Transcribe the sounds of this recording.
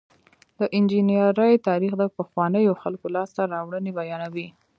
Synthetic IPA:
d̪əʔɪnd͡ʒinjəɾəjt̪ɑɾixd̪əpəxwɑnəjoxalkolɑst̪aɾɑwɽənebajɑnawi

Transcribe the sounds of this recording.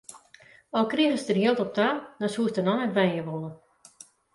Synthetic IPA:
ɔlˠkriəχəsdərjiəlˠtɔp̚tanɔsuəstənɔnɛtʋɛjjəʋolˠə

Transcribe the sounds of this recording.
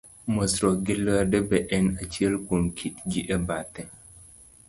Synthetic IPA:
mɔsɾɔɡilːwadɛbɛʔɛnat͡ʃielkunkʰid͡ʒiʔɛbaːtɛ

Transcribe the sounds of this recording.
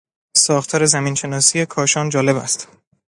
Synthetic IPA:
sɒːxt̪ʰɒːɾe̞zæmiːnʃe̞nɒːsije̞kʰɒːʃɒːnd͡ʒɒːle̞βæ̰st̪

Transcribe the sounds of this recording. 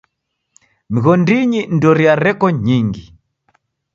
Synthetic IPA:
miɣɔndiɲindɔɾiaɾɛkɔɲiŋɡi

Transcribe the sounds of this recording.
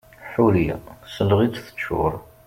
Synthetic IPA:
ħuɾḭsəlʁit͡sθə̥t͡ʃːʊ̰ɾˤ

